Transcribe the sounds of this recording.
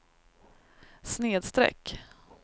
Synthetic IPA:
sneːd̪st̪ɾɛ̰kː

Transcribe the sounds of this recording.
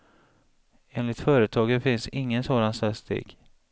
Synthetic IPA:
eːnlɪt̪fœːɾət̪ʰɑːɡəfɪnsɪŋːənsoːd̪ansast̪ḛːɡ̥

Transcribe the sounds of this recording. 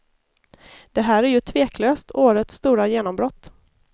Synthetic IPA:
d̪̥ɛɦæːɾæɾjɵt̪ʰveːkʰløːst̪ʰoːɾət̪sːt̪uːɾajeːnɔmbɾɔt̪ː

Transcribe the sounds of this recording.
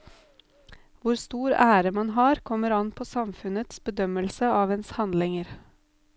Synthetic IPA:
ʋʊɾst̪uːɾæːɾəmɑnɦɑːɾkʰɔməɾɑnpʰoːsɑmfʉnət̪sbəd̪œməlsəɑːʋeːnshɑnd̪lɪŋəɾ

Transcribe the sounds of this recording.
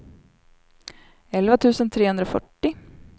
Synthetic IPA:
ɛlvat̪ʰʉ̟ːsənt̪ʰɾeːhɵnd̪ɾaɔfœ̰ʈːɪ

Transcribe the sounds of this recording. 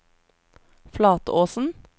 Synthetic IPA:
flɑːt̪əoːsn̩

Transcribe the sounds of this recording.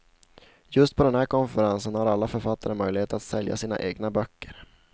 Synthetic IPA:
jɵst̪̚pʰɔd̪ɛnɦæːɾkɔnfɛɾansənhaɾalːafœɾfat̪ːaɾəmœjlɪheːt̪ɾat̪sɛlja̰siːna̰ʔeːɡnabœkːəɾ

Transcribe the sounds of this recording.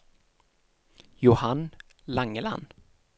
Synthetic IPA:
jʊhanlaŋːəla̰n

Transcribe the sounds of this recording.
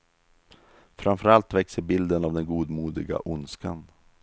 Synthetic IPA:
fɾamfœɾalt̪vɛksəɾbɪld̪ənavd̪ɛnɡuːd̪muːd̪ɪɡa̰ʔʊnskan

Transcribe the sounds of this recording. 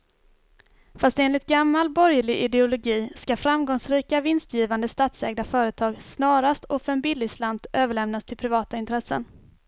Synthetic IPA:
fast̪eːnlɪt̪̚ɡamːalbɔɾjɭɪʔɪd̪ɛʊlʊɡiːskafɾamɡɔŋsɾiːkavɪnst̪jiːvand̪əst̪aːt̪sɛːɡd̪afœːɾət̪ʰɑːɡsnɑːɾast̪ʰɔfɛnbɪlɪslant̪øːvəɭɛmnast̪ʰɪlpʰɾɪvɑːt̪aɪnt̪ɾɛsːə̰n

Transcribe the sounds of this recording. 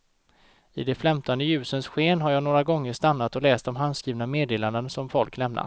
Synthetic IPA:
ɪd̪ɛflɛmt̪ʰand̪əjʉ̟ːsənsɧeːnɦaɾjɑːnoːɾaɡɔŋːəʂt̪anːat̪ɔlɛːst̪ɔmɦanskɾiːvnameːd̪eːland̪ənsɔmfɔlklɛmna̰

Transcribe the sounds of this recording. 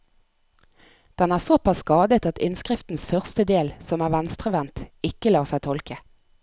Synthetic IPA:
d̪̥ɛnæːʁsopʰɑsːkɑːd̪ət̪ɑt̪ɪ̰nskʁɪft̪n̩sfœʁst̪əd̪eːlsɔmæːʁʋænst̪ʁəʋɛnt̪ɪkəlɑːʁsæɪt̪ʰɔlkə

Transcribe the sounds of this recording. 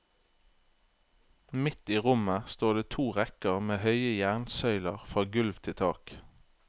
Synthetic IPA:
mɪt̪iːʁʊməst̪oːʁd̪eːt̪ʰuːʁɛkəʁmeːhœʏəjæʁnsœʏləʁfʁɑːɡʉlʋt̪ʰɪt̪ʰɑ̰ːk

